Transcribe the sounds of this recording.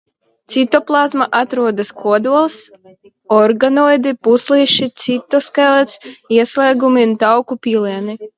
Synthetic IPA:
t̪sit̪ɔplˠazmaʔat̪ɾuɔd̪askuɔd̪uɔlˠs | ɔɾɡanɔjd̪ipuslˠiʃit̪sit̪ːɔskalˠɛt̪siɛslɛːɡumint̪awkupʲiːlʲˠiɛni

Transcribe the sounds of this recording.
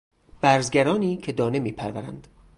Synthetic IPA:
b̥æɾzɡæɾɒːniːcʰe̞d̪ɒːne̞miːpʰæɾvæɾæ̰nd̪̥

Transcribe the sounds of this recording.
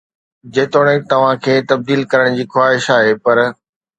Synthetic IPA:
d͡ʑeːt̪oːɽ̃ẽt̪ɐʋ̤ãkʰeːt̪ɐb̚d̪iːlkɐɾəɽ̃d͡ʑiːxwaːɦɪʃaːɦepɐɾ

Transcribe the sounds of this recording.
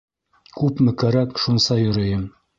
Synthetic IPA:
kʉpmɘ̆kæɾækʃunsɑjŏɾɤ̆jɤm

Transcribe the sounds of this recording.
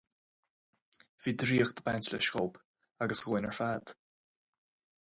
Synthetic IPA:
v̥iːd̪ɾiːəxd̪əbansləʃkoːp | aɡəsɣujnəɹfaːd̪̥

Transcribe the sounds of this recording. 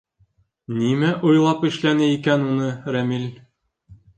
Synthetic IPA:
nimæʔujlˠɑpɘ̆ʃlænɘikænunɤɾæmil

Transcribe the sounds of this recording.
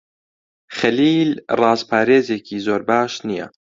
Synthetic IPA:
xɐliːlrɑːzpʰaːɾeːzeːkʰiːzoːɾbaːʃnijɛ̰

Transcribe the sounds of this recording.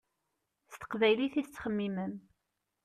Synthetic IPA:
st̪ə̥qvæjliθist͡sːχəmːimən

